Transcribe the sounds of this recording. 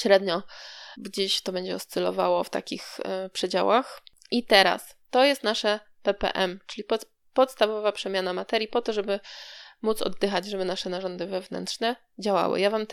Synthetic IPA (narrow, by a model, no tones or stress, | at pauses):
ɕɾɛd̪ɲɔɡd͡ʑeɕt̪ɔbɛɲd͡ʑɛɔst̪sɛlɔ̰vawɔft̪a̰kʲixpʂɛd͡ʑa̰wax | ʔit̪ɛɾa̰s | t̪ɔjɛst̪naʂɛ | pɛpɛ̰ʔɛmt͡ʂɘlʲipɔ | pɔt̪st̪avɔvapʂɛmʲjanamat̪ɛɾʲjipɔt̪ɔʐɛbɘmut̪sɔ̰d̪ːɘxad͡ʑʐɛbɘnaʂɛnaʐɔnd̪ɘvɛvnɛ̰nt̪ʂnɛ | d͡ʑawa̰wɘ̰javam